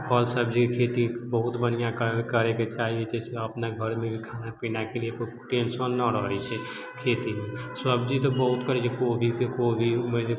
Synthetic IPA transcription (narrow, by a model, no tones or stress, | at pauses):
pʰəlsəbd͡ʒikekʰet̪ibəɦut̪bənijãkkəɾɛket͡ʃaɦiɛd͡ʒɛseəpnaɡʱəɾmebʱikʰanapinakeliepə | ʈensənːəɾɔɛt͡ʃʰɛ | kʰet̪imesəbd͡ʒit̪ɔbəɦut̪kəɾɛt͡ʃʰekobʱikekobʱime